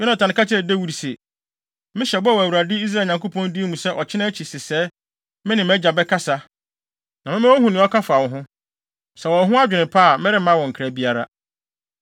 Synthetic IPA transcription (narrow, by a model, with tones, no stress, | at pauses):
jɔ˦nã˨tʰa˨nɪ̃˨ka˦tʰɛ˨de˦wu˦ɾi˨se˨ | mɪ̃˦ɕɛ˨bwɔ˨æ˨wu˨ɾa˨dɪ˦i˦s̬ɾa˦˨ɲã˨ŋko˦pʰɔ̃˦ndi˦mũ˨sɛ˦ʔɔ˨t͡ɕʰɪ˦nã˦t͡ɕʰi˨sɪ˨sɛː˨˦ | mɪ̃˦nɪ̃˨mɛ˦d͡ʑa˨bɛ˦kʰa˦sa˦ | nã˨mɪ̃˦mã˦wo˦ɦũ˨nɪ̃˨˦ɔ˦kʰa˦fa˨wɔ̃˨ɦʊ̃˦ | sɛ˨wɔ˨ɦʊ̃˦a˦d͡ʑᶣɪ˨nɪ̃˨pʰa˦˨mɪ̃˦ɾɪ˦mã˦wɔ̃˨ŋ̩˨kʰɾæ˨bi˦a˦ɾa̰˦